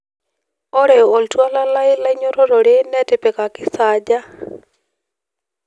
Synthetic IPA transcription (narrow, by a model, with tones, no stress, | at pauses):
ɔ˦ɾɛ˨ɔ˨o˨ltwa˦la˦la˦ɪ˦la˦ɪ˦ɲo˦ɾo˦ɾo˨ɾe˦nɛ˦tɪ˨pe˨ka˨kɪ˦sad͡ʒa˦